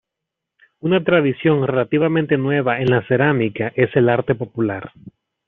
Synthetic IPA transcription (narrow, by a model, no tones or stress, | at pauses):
unat̪ɾaðisjo̞nre̞lat̪iβamẽnt̪e̞nwe̞βae̞nlase̞ɾamikaʔe̞se̞laɾt̪e̞po̞pulaɾ